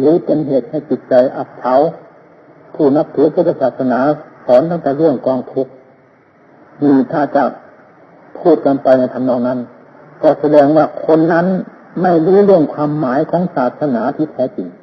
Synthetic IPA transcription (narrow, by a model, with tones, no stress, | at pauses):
lɯː˨˦pe˧nɦeː˨˩t̪̚ha˧˨˩jt͡ɕi˧˦t̪̚t͡ɕa˧jʔa˧˥p̚t̪ʰa˧˥w | pʰuː˧˩na˧˥p̚t̪ʰɯː˧˥˦kɯ˧˩t̪ːa˧˩saː˨˩t̪̚sa˧naː˨˦pʰɔː˨˦nt̪a˧˩ŋt̪ɛː˨˦lɯ˥˩əŋkɔː˧ŋt̪ʰu˧˩k̚ | niː˧˩t̪ʰaː˧˩t͡ɕa˧˩ | pʰuː˥˩t̪̚ka˧npa˧jna˧jt̪ʰa˧˩nɔː˧˩ŋna˧˥˨n | kɔː˧˩sa˧dɛː˧ŋwaː˧˩kʰo˧˥˨nːa˧˥˨n | ma˧˥˩jluː˧˥˦lɯ˥˩əŋkʰwaː˧˥mːaː˨˦jkʰɔː˨˦˥ŋsaː˨˩t̪̚sa˧naː˨˦t̪ʰiː˧˩t̪ʰɛː˧˥t͡ɕi˨˩ŋ